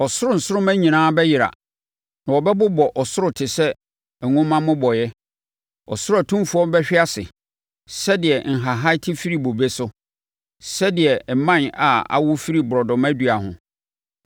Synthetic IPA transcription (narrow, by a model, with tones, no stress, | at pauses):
ɔ˨sʊ˦ɾʊ˦n̩˨sʊ˦ɾʊ˦mæ̃˦ɲĩ˨nãː˦bɛ˦jɪ˨ɾa̰˨ | nã˨wɔ˨bɛ˦bʊ˦bɔ˨ʔɔ˨sʊ˦ʊ˨tʰɪ˨sɛ˦ | ɛ˨ŋʊ̃˦mã˦mʊ̃˦bɔ˨jɛ˦ | ɔ̰˨sʊ˦ɾæ˨tʰũ˦m˦fu˨˦ɔ˦bɛ˦ɕᶣɪ˦a˦sɪ̰˨ | sɛ˦dɪ˨ɛ˨ŋ̩˨ɦa˨ɦa˦ɪ˦tʰɪ˦fi˦ɾi˦˨bo˨be˦sʊ˦ | sɛ˦dɪ˨ɛ˨ɛ˨mã˦˨na˨a̰˨wʊ˦fi˦ɾi˨bʊ˨ɾɔ˨dɔ̃˨mæ˦dɥa˨hʊ̰̃˨